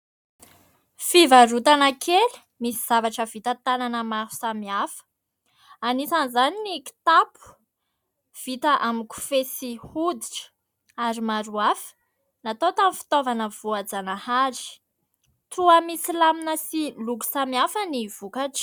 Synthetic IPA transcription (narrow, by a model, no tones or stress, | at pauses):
fivaɾut̪anəkʰeli̥ | misiz̥avaʈ͡ʂəv̥it̪ət̪ananəmaɦu̥samiafə̥ | anisanizaniniki̥t̪apu̥ | v̥it̪əʔamiku̥fesihud̪iʈ͡ʂə̥ | aɾimaɾuafə̥ | nat̪ot̪amfi̥t̪ovanəv̥uad͡zanahaɾi̥ | t̪uamisilaminəsiluku̥samiafəniv̥ukaʈ͡ʂ